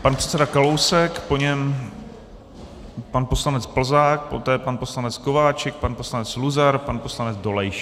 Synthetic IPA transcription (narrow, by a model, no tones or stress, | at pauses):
panpr̥ɛ̥t͡sɛdakalowsɛkpo̞ɲɛm | panpo̞slanɛt͡spl̩zaːk̚pot̪ɛːpanpo̞slanɛt͡skovaːt͡ʃɛk̚panposlanɛt͡sluzaɾpanposlanɛd͡zdo̞lɛjʃ